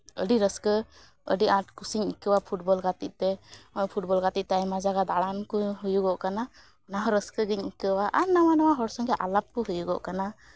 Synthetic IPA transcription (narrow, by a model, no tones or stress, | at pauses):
ə̰ɖiɾəskə | ə̰ɖiãʈkusiɲikəwapʰuʈbɔlɡat̪it̪̚t̪ɛɔjpʰuʈ̚bɔlɡat̪it̪̚t̪ɛajmad͡ʒaɡad̪aɽankɔɦujuɡɔʔkana | ɔnaɦɔɾəskəɡiɲikəwaʔaɾnawanɔwaɦɔɾsɔŋɡɛʔalap̚kɔɦujuɡɔ̰ʔkana